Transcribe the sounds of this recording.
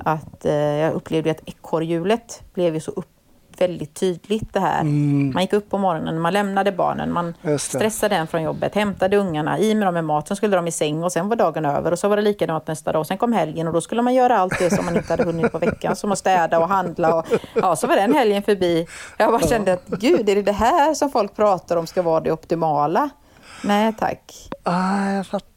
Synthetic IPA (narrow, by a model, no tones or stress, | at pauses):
ʔat̪jɑːɡʔɵpːleːvd̪jat̪ɛkʰːɔɾjʉ̟ːlət̪b̥lɛvjʉsɔʔɵp | vɛld̪ɪt̪ʰːyːd̪lɪt̪d̪ɛɦæ̰ːɾmanjɪkːɵpːɔmɔɾɔnə̰nːmanlɛmnad̪əbɑ̰ːɳə̰nmansst̪ɾɛsːad̪əd̪ɛnfɾɔnjɔbːət̪hɛmt̪ad̪əɵŋːaɳa̰iːmɛd̪ɔmːɛmɑːt̪sɛnskɵlːəd̪ɔmɪsɛŋːɔsɛnvaɖɑːɡənø̰ːvəɾɔsɔvaɖɛliːkad̪ɔmat̪̚d̪ɛnst̪ɑ̰ːd̪ɔsɛnkʰɔmːhɛljənɔd̪ɔskɵlːəmanjœːɾaalt̪̚d̪ɛsɔmːanɪnt̪əhad̪ːəɦɵnːɪt̪pʰɔvɛkːa̰nsɔmɔst̪ɛːd̪aɔɦand̪laɔjʔɑːsɔvaɖɛnhɛljənfœɾbiːjɑbɑːɾaɕɛnd̪əat̪ɡʉ̟ːd̪ɛɾɛd̪ɛɦæːɾʂɔmfɔlk̚pʰɾɑːt̪aɾɔmskavɑːd̪ɛɔpt̪ɪmɑːla | nɛːt̪ʰa̰kː | jaf